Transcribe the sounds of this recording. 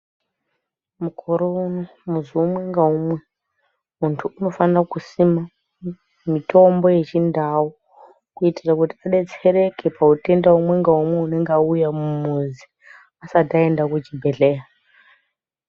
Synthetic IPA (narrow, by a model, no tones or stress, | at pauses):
mukʰoɾo̞uno | muziumwe̞ŋɡaumwe | muntʰuuno̞fanirakusima | mito̞mbo̞je̞t͡ʃindawu | kuitirakutiaɗe̞t͡se̞ɾe̞kepaute̞ndaumwe̞ŋɡaumwe̞une̞ŋɡaujamumuzi | asatae̞ndakud͡ʒibʱeɮe̞ːja